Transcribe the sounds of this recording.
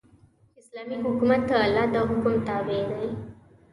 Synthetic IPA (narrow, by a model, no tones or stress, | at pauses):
ɪslamiɦʊkumat̪ːəːlːad̪əɦʊkumt̪abed̪aj